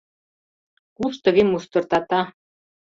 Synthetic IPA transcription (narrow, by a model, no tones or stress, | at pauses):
kuʃt̪ɤ̆ɣimust̪ɤ̆rt̪ɑt̪ɑ